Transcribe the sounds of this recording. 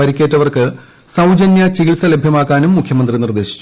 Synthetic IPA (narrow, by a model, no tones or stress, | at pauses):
ɐɾikʲːeːtːɐʋɐrkɨ | sɐwd͡ʑɐnjɐt͡ɕiɣiɭsɐle̞bʱjɐmaːkːaːnumːukʰjɐmɐnd̪rinird̪e̞ːɕi̥t͡ɕːu